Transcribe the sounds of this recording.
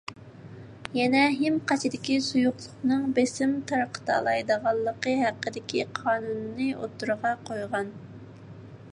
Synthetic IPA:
jɛnɛɦɪmqɑt͡ʃʰɪd̪ɪkʲisujʊqlˠʊχnɨŋbesɪmt̪ʰɑɾqʰə̥t̪ʰɑ̰lˠɑjd̪əʁɑlˠːəqəɦæqːəd̪ɪkʲʰiqʰɑːnunːɨʔo̰t̪ʰːuɾʁɑqʰojʁɑn

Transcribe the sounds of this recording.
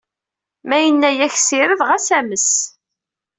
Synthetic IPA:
mæjənːæjæçsɪɾəðʁæsæməs

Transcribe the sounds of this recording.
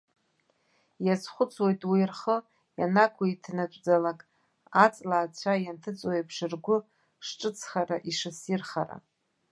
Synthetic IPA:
jat͡sχʷʊt͡sʼʰwojtʼwirχə | janakʷʰaitʰnat͡ʃʷʼd͡zalakʼ | at͡sʼlaːt͡ɕʷʰajantʰɨt͡sʼojapʰʂɨrɡʷʊ | ʂʈ͡ʂʼɨt͡sʰχaɾaʔiʂɨsirχa̰ɾa̰

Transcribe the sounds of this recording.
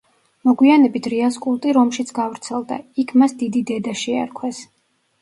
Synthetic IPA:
mɔɡwianɛbit̪ʰɾiaskʼulˠt̪ʼiɾɔmʃit̪sʰɡavɾt̪sʰɛlˠd̪a̰ikʰmasd̪id̪id̪ɛd̪aʃia̰ɾkʰwɛs

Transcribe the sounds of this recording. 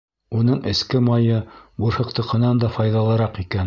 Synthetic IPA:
unɤɴʔɘ̆skɘmɑjɤbuɾhɤ̆q̚t̪ɤ̆qɤ̆nɑnd̪ɑfɑjðɑlˠɤ̆ɾɑqikæn

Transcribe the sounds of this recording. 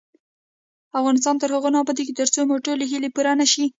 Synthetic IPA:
afɣɑnɪs̬t̪ɑnt̪əɾhəɣonɑbɑd̪ekit̪əɾt͡somoʈoleɦilepuɾanaʃi

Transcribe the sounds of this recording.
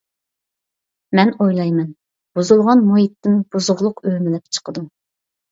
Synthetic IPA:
mɛnojlˠɑjmɛn | b̥uzulˠʁɑnmojit̪ʰːɪnb̥uzʊʁlˠʊqøhmɪlɛp̚t͡ʃʰə̥qəd̪u

